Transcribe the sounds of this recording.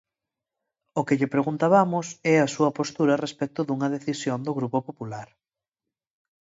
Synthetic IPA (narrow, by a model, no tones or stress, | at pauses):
ʊkɪʎɪpɾeɣunt̪aβamʊsɛɐsuɐpost̪uɾɐrespɛk̚t̪ʊðuŋɐðeθisjond̪ʊɣɾupopopulaɾ